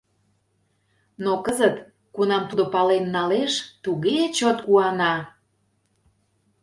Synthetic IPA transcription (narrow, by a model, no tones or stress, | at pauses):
nokəzət̪ | kunɑmt̪ud̪opɑlenːɑleʃt̪uɣet͡ɕot̪kuɑnɑ